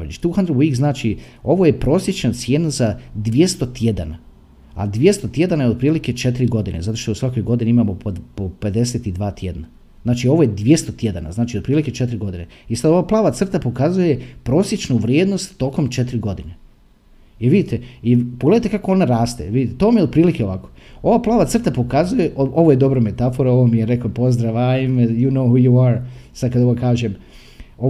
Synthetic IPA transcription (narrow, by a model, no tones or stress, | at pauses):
ʎḭt͡ʃt̪uːxand̪ɾoboiɡznaːt͡ʃio̞ʋoje̞pɾo̞ːsje̞t͡ʃnat̪sjeːnazad̪ʋje̞st̪o̞t̪jed̪a̰na | a̰d̪ʋje̞st̪o̞t̪je̞d̪anaeo̞d̪̚pɾiːlike̞t͡ʃe̞t̪iɾiɡo̞d̪inezat̪o̞ʃt̪ousʋako̞jɡo̞d̪ineimaːmopope̞d̪e̞set̪id̪ʋaːt̪je̞d̪na | znaːt͡ʃio̞ʋojed̪ʋʲje̞st̪o̞t̪je̞d̪ana̰znaːt͡ʃiod̪̚pɾiːlike̞t͡ʃe̞t̪ɾiɡo̞d̪ineisad̪o̞ʋaːplˠaːʋat̪sr̩t̪apo̞kazuje̞pɾo̞ːsje̞t͡ʃnuʋɾjeːd̪no̞st̪ːo̞ːko̞mt͡ʃet̪ɾiɡo̞d̪ine | iʋid̪it̪eipoɡleet̪ekako̞o̞naɾaːst̪ḛʋid̪it̪et̪oːmijeod̪̚pɾiːlikeo̞ʋakoo̞ʋaːplˠaːʋat̪sr̩t̪apo̞kazuje̞ʔoʔo̞ʋoje̞d̪o̞bɾome̞t̪afoɾao̞ʋomijeɾe̞klopo̞zd̪ɾaʋajmejunoːhuːjuaɾsad̪kad̪o̞ʋokaːʒem | o